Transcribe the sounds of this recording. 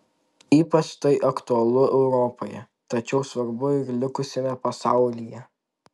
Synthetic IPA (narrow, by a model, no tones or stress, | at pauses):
iːpɐt͡ʃt̪ɐɪʔɐkt̪ʊɐlˠʊʔɛʊɾɔpojɛ | t̪ɐt͡ʃʲɛʊsʋɐɾbʊɪɾlʲɪkʊsʲɛmʲɛpɐsɑˑʊlʲijɛ